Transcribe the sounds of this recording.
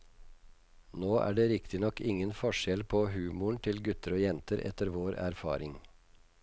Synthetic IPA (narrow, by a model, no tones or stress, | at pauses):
noːʔæ̰ːɖeːɾɪkt̪ɪnɔkɪŋənfɔʂɛlpʰoːhʉːmʊɳt̪ʰɪlɡʉt̪əɾoːjɛnt̪əɾʔɛ̰t̪əɾʋoːɾæ̰ɾfɑ̰ːɾɪŋ